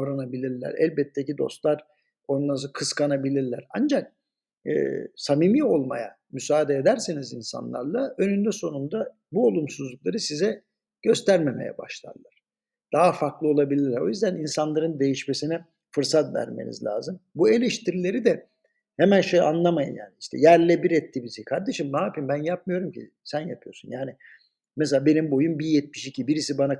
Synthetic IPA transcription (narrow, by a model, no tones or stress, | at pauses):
ɾanabilʲiɾlʲæ̰ɾæ̰lʲbɛt̪ʰːecid̪o̞̰st̪lˠaɾ | o̞nlˠasɯkʰɯskanabilʲiɾlʲæɾand͡ʒak̚ | ɯ̰ːsamimio̞lˠmaja̰ | mysaːd̪eːd̪æɾsenizinsa̰nlˠa̰ɾlˠaø̞nynd̪ɛso̞nund̪a | buo̞lˠumsuzlˠuklˠaɾɯsizɛ | ɟ̥ø̞st̪ʰæɾme̞mejɛ̰ba̰ʃlˠa̰ɾlˠaɾ̥ | d̪̥aɦafaɾklˠɯo̞lˠabilʲiɾo̞̰jyzd̪æninsanlˠaɾɯnd̪e̞jiʃme̞sinɛ | fɯɾsat̪væ̰ɾmḛnḭzlʲa̰ːzɯmbue̞lʲɛʃt̪ʰiɾilʲe̞ɾid̪ɛ | hemænʃeja̰nlˠamajɯ̰ja̰ːniiʃt̪ʰɛ̰jæɾlʲɛbiɾɛt̪ʰːibisijkʰaɾd̪e̞ʃimaːpimbænjap̚mɯjo̞ɾumcʰḭ | sænja̰pʰɯjo̞ɾsunjaːni | meselʲaːbe̞nimbo̞jumbijɛt̪̚miʃicʰibiɾisibana